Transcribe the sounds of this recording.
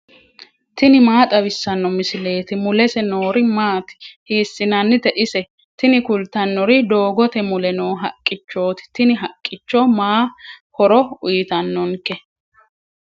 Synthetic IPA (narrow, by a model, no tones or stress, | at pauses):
t̪ɪnɪmaːt̪ʼɐwɪsːɐnːɔmɪsɪle̞ːt̪ɪmʊlɛsɛnoːɾɪmaːt̪ɪ̥hiːsːɪnɐnːɪt̪ɛʔɪsɛ | t̪ɪnɪkʊlt̪ɐnːɔɾɪd̪o̞ːɡɔt̪ɛmʊlɛnoːɦɐkʼːɪt͡ʃːo̞ːt̪ɪ̥t̪ɪnɪɦɐkʼːɪt͡ʃːɔmaːhɔɾɔʊjt̪ɐnːɔŋkɛ